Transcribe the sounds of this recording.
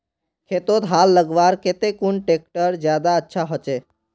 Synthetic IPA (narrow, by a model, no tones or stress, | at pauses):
kʰet̪ot̪ɦalːəɡʋaɾket̪ekunʈek̚ʈəɾd͡ʒjad̪aətːʃʰaɦot͡ʃe